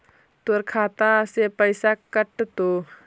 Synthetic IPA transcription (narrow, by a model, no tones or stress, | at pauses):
t̪əɾkʰaːt̪ãsepəɪsakəʈt̪o